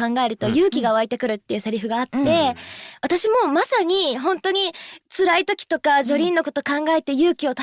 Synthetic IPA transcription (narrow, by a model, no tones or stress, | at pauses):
ãŋɡae̞ɾɯ̟t̪o̞jɯ̟ːkʲiɡaoait̪e̞kɯ̟ɾɯ̟t̪ːe̞jɯ̟ːseɾʲiɸɯ̟ɡaːtːe̞βat̪aɕimo̞masaɲ̟iɦõ̞nt̪o̞ɲ̟it͡sɨɾait̪o̞kʲi̥t̪o̞kaʑo̞ɾʲĩnːo̞ko̞t̪o̞kãŋɡae̞t̪e̞jɯːkʲio̞t̪a